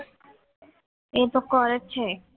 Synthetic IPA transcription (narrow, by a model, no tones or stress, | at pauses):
et̪okːoɾet͡ɕʰe